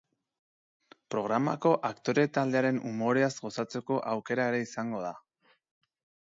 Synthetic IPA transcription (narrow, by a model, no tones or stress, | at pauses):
pɾo̞ɣɾama̰ko̞ʔakt̪o̞ɾe̞t̪ald̪e̞aɾe̞numo̞ɾe̞azɣo̞sat͡se̞ko̞ʔawke̞ɾaeɾe̞isaŋɡo̞ða